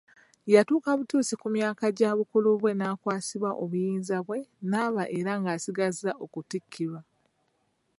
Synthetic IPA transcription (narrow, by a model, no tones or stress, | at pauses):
jatuːkaβutuːsikumjaːkaɟaβukuluβwe̞naːkwaːsiβwaʔo̞βujiːnzaβwe̞naːβaʔeɾaŋɡaːsiɡazaʔo̞kutikʰːiβa